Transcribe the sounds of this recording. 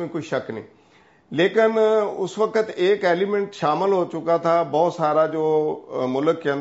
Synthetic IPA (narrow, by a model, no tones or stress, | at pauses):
mẽkoiʃɐknḭ̃ː | leːkɪnʊ̰sʋəkət̪eːkeːlimẽɳʈʃaːmɪlɦoːt͡ʃʊkat̪ʰabɔːt̪saːɾad͡ʒoːmʊləkːə̃n